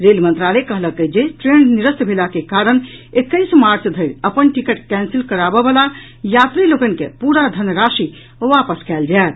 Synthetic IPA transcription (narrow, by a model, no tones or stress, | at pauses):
ɾelmənt̪ɾalekəɦləkːəd͡ʒeʈɾenniɾəst̪bʱelakekaɾənekːəɪsmaɾt͡ʃd̪ʱəɪɾəpənʈikəʈkɛ̃nsilkəɾabebəla | jat̪ɾilokənkḛpuɾad̪ʱənɾasi | ʋapəskɛld͡ʒaet̪